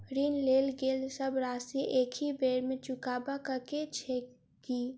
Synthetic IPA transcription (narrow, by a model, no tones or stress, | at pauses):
ɾiːnleːlɡeːlsəbɾaːsieʔeːkʰibeːɾmẽt͡ʃʊkaːbakəket͡ʃʰe | kiː